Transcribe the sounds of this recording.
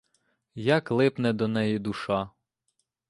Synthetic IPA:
jɐklˠɪpnɛd̪ɔnɛjid̪uʃɑ

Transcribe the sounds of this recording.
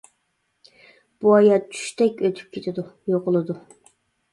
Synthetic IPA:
b̥uɑjɑt̪̚t͡ʃʰy̥ʃt̪ʰɛkʲøt̪ʰy̥p̚kʲʰet̪ʰɪd̪ujoʁʊlˠɨd̪u

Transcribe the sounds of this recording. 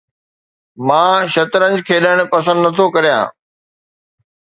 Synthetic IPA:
mãːʃɐt̪ɾənd͡ʑkʰeːɗəɽ̃pɐsə̃nd̪nɐt̪ʰokɐɾijã̰ː

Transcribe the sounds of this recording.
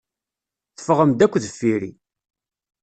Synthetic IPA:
θə̥fəʁəmd̪ækʷːðəfːiɾḭ

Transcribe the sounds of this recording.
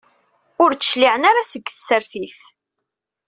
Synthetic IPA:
ʊɾt͡sːə̥ʃliʕənaɾasəɡːθəsəɾθiθ

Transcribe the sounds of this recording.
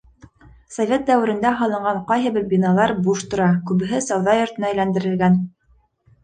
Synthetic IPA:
sovʲet̪̚d̪æwɘ̆ɾɘ̆nd̪æɦɑlˠɤ̆ɴɢɑɴqɑjɦɘ̆βɘɾbʲinɑlˠɑɾbuʃt̪ŏɾɑkʉβɘ̆ɦɘsɑwðɑjŏɾt̪ɤ̆nɑæjlænd̪ɘ̆ɾɘ̆lɡæn

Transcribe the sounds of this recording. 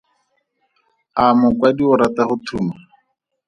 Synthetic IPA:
amʊkwadiʊɾatahʊtʰuːma

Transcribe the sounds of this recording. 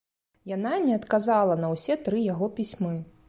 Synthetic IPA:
jananʲɛɐt̪kazalˠɐnɐwsʲɛt̪ɾɨjaɣɔpʲisʲmɨ

